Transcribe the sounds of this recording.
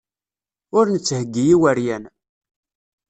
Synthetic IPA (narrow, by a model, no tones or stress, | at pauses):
ʊɾnət͡sːhəɡːijiwəɾjæn